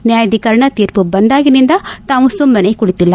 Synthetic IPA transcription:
njaːjɐd̪ʱikɐɾɳɐt̪iːɾpubɐnd̪aːɡinind̪ɐt̪aːʋũsumbɐnejkuɽit̪ilːɐ

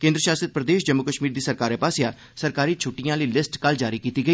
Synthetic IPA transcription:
kẽːnd̪ɾəʃaːsət̪̚pɾəd̪eːʃd͡ʒəmːʊkəʃmiːɾd̪iːsəɾkaːɾɛ̃ːpaːsɪjaː | səɾkaːɾiːt͡ʃʰʊʈːijãːləiːlɪsʈkəld͡ʒaːɾiːkiːt̪iːɡəiː

